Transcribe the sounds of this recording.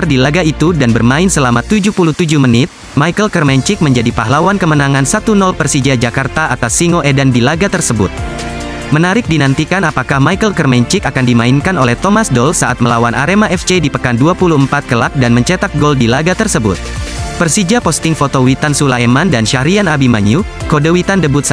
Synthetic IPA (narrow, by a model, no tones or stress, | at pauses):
ardilaɡait̪udanbərmaɪnsəlamat̪ud͡ʒupuluht̪ud͡ʒuhmənɪt̪̚ | maikəlkərmɛɲt͡ʃɪk̚məɲd͡ʒadipaɦlawankəmənaŋansat̪unɔlpərsid͡ʒad͡ʒakart̪aʔat̪asːiŋoʔedandilaɡat̪ərsəbʊ̰t̪̚ | mənaɾɪk̚dinant̪ikanapakahmaikəlkərmɛɲt͡ʃɪkakandimainkanolɛht̪omasdɔlsaʔat̪̚məlawanʔa̰ɾemaɛft͡ʃedipəkanduapuluəmpat̪̚kəlak̚danməɲt͡ʃɛt̪ak̚ɡɔldilaɡat̪ərsəbʊ̰t̪̚pərsid͡ʒapɔst̪ɪŋfot̪owit̪ansulaemandanʃahɾianabimaɲu | kodəwit̪andəbʊt̪s